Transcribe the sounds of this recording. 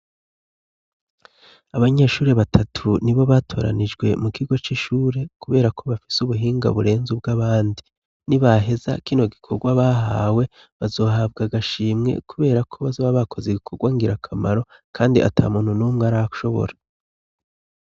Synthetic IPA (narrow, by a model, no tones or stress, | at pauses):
aβaɲe̞ːʃuːɾe̞βatʰatʰuniβo̞βatʰo̞̰ːɾa̰nid͡ʒɡwe̞̰mukiɡo̞t͡ʃiʃuːɾe̞kuβe̞ːɾakʰo̞βafi̥suβuɦiːŋɡa̰βuɾe̞ːnzub̚ɡaβaːndi | niβaɦe̞za̰kino̞ɡikʰo̞ɡwaβaɦawe̞ | βazo̞ːɦabɡaɡaʃiːmŋe̞̰kuβe̞ːɾakʰo̞βazoːβaβakʰo̞zeɡikʰo̞ɡwaŋɡiɾakʰamaɾo̞kʰaːndiʔa̰tʰa̰ːmuːn̥hunuːmŋaɾaʃo̞βo̞̰ɾa